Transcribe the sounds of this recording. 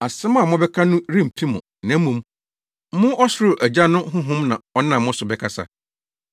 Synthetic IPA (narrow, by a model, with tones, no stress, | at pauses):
a˨sɪ̃˦ma˨mʊ̃˦bɛ˦kʰa˦nʊ̃˦ɾĩ˦m̩˨pʰi˦mʊ̰̃˨nã˨˦mũ˨m̩˦ | mʊ̃˦ʔɔ˦sɾʊ˨ʔæ˨d͡ʑa˦nʊ̃˦ɦʊ̃˦ɦʊ̃˦mnã˨ɔ˦nã˨mʊ̃˦sʊ˨bɛ˦kʰa˨sa̰˨